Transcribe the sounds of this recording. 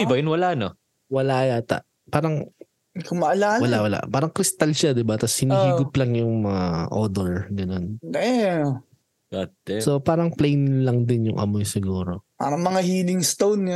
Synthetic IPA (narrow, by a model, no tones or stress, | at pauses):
ɪbɐjʊnwɐlano | wɐlaʔjaːt̪a̰ʔ | paːɾɐŋ | kʊmɐʔɐlaːɐlaʔwɐla̰ʔpaːɾɐŋkɾɪst̪alʃad̪ɪbat̪ɐshɪniːhiːɡʊplɐŋjʊŋmɐŋaʔoːd̪oɹɡɐno̞nɛ | ɡɐt̪ːsopaːɾɐŋplejnlɐŋd̪ɪnjʊŋʔɐ̰mojsɪɡuːɾo̞pa̰ːɾɐŋmɐŋahiːlɪŋst̪own